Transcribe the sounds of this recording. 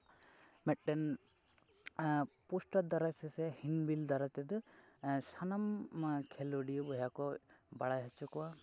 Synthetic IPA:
mɛʈ̚ɖɛn | pusʈad̪aɾasɛsɛhinbild̪aɾat̪ɛd̪ɔ | sanamkʰɛluɖijɔbɔɦjakɔbaɽajɦat͡ʃukɔwa

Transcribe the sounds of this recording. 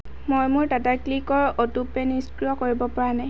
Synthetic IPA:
mojmʊɹtataklikɔɹɔtupeniskɹiɔkoɹibɔpaɹanaj

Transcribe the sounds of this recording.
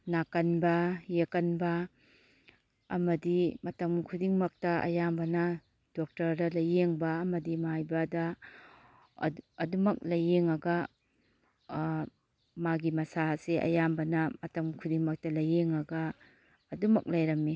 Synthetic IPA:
nakɐnbɐjekɐnbɐ | ɐmɐdimɐtɐmkʰudiŋmɐk̚tɐʔɐ̰jambɐnɐ | d̥ok̚tɐɾdɐlɐjːeŋbɐːmɐdimajbɐdɐ | ɐdumɐk̚lɐjeŋɐɡɐ | maɡimɐsaseʔɐ̰jambɐnɐmɐtɐmkʰudiŋmɐk̚tɐlɐjeŋɐɡɐː | dumɐk̚lɐjɾɐmːi

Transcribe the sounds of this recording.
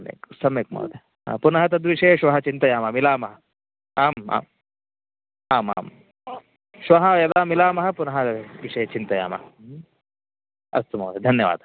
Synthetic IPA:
mḛːksɐmeːk̚mɐ̰ːd̪e | a̰ːpunɐɦɐt̪̬ɐd̪ʋiʂɐjɐʃʋɐɦɐt͡ʃint̪ɐjaːmɐmilaːmɐɦɐ | aːma̰ːm | aːma̰ːm | ʃʋɐɦɐjɐd̪aːmilaːmɐɦɐ̆punɐɦɐʋiʂɐjɐt͡ʃint̪ɐja̰ːmɐ̰ɦɐ | ɐ̰st̪umɐ̰ːd̪ed̪ʱɐnjɐʋa̰ːd̪

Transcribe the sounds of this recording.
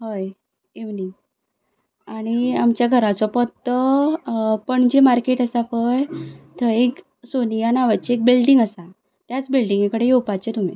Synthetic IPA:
ɦoj | eʋni | aɽ̃iamt͡ɕjaɡʱəɾat͡sɔpɔt̪ːə | pəɳd͡ʑemaɾkeʈəsafəjt̪ʰəek | sonijanaʋat͡ɕeek̚bilɖiŋɡəsa | t̪jat͡sbilɖiŋɡekəɽejepat͡ɕet̪um̤ḭ

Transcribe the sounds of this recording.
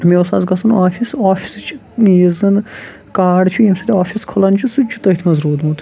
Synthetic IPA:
meosa̰ːzɡɐsɐnaːfisaːfʰʲist͡ʃʰi̥ | jizɐn | kaːɖt͡ʃʰuemsɐt̪ʲaːfʰʲiskʰolɐnt͡ʃʰusut͡ʃʰu̥t̪ɐit̪ʰmɐzɾuːd̪mut̪

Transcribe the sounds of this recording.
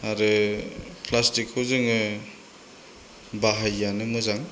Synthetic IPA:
aɾɯ | pʰlastikhɯzɯŋɯ | baɦajːanɯmuzaŋ

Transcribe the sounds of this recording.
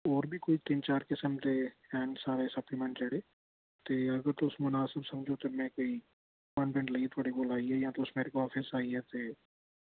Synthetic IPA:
ɔːɾbʱikoːit̪int͡ʃaːɾkɪsəmt̪eɛːnsaːɾesɐplimɛ̃ɳʈt͡ʃɐɽeː | t̪eːɐɡəɾt̪osmʊnaːsɪbsɐmd͡ʒʱot̪omɛ̃koːi | wɐ̃npɛ̃ɳʈlɐit̪ʰoːɽiɡoːlaːiɦɛjɐɦãt̪oʊsmeːɾekoɔːfʰɪsaːiɦɛt̪eː

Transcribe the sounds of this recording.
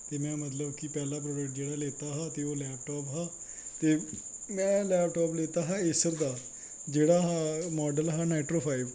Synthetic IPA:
t̪eːmɛ̃ːmət̪ləbkɪpɛːlãːpɾoːɖəkʈ̚d͡ʒeːɽaːleːt̪aːɦãːt̪eːoːlɛːp̚ʈɔːpɦãː | t̪eː | mɛ̃ːlɛːpʈɔːpleːt̪aːɦãːɪsəɾd̪aː | d͡ʒeːɽaːɦaːmɔːɖəlɦaːnɛːʈɾoːpʰaːɪb

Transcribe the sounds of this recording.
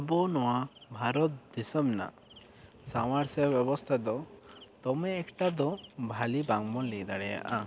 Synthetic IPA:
bɔnɔwabʱaɾɔt̪̚d̪isɔmna̰ | sawaɾsɛbjɔbɔst̪ʰad̪ɔt̪ɔmɛːkʈad̪ɔbʱalibaŋmɔlikd̪aɽɛja̰ʔa

